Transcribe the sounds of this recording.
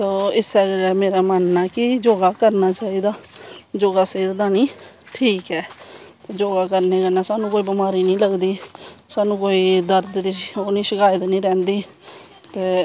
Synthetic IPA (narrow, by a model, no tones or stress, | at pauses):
t̪oːɪsɛːɡlɛːmeːɾaːmənːaːkɪd͡ʒoːɡaːkəɾnaːt͡ʃaːiːd̪aːd͡ʒoːɡaːseːt̪d̪aːniː | ʈʰiːkɛːt̪eːd͡ʒoːɡaːkəɾneːkənaːsaːnũːkoːiːbəmaːɾiːnĩːləɡd̪iːsaːnũːkoːiːd̪əɾd̪ɾiːoːnĩːʃəkaːɪt̪nĩːɾɛ̃ːnd̪iː | t̪eː